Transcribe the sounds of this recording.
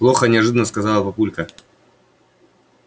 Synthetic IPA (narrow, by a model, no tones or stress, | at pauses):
plˠoxənʲɪɐʐɨd̪ənəskɐzalˠəpɐpulʲkə